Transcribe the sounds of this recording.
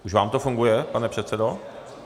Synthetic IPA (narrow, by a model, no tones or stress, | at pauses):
ʔuʃvaːmt̪ofuŋɡujɛpanɛpr̝̥ɛt̪t͡sɛdo̞